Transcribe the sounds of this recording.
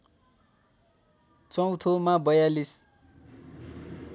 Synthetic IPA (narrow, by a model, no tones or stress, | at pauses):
t͡sʌw̃t̪ʰomabʌjalis